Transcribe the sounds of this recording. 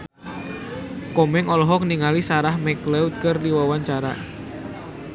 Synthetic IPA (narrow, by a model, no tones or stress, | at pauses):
kɔmɛŋɔlɔɦɔkniŋalisaɾahmɛklɛw̪̚kərliwawaɲt͡ʃaɾa̰